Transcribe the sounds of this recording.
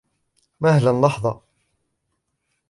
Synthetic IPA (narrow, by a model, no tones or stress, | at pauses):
mahlanlɑħðˤɑ